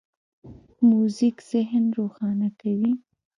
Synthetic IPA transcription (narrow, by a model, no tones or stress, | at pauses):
muzikz̥ɪɦnɾoxɑnakawi